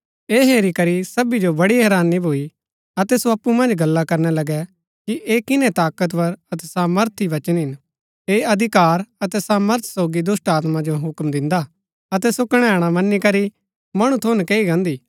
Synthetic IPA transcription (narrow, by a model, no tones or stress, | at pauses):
eːɦeːɾikɐɾisɐbid͡ʒobɐɽiɦɛːɾaːnːibʱoːi | ɐt̪ɛsoɐpːumɐ̃nd͡ʒɡɐlːakɐɾnɛlɐɡɛ | kiʔeːkɪnɛ̃t̪aːkət̪̬pɐɾɐt̪ɛsaːməɾt̪ʰiʋɐt͡ʃənɦɪn | eːɐd̪ʱɪkaːɾɐt̪ɛsaːməɾt̪ʰsoːɡid̪ʊsʈaːt̪mãd͡ʒoɦʊkmd̪ɪ̃nd̪a | ɐt̪̬ɛsʊkɽ̃ɛaːɽ̃amɐnːikɐɾi | mɐɽ̃ũt̪ʰoːnkeːiɡãːnd̪iː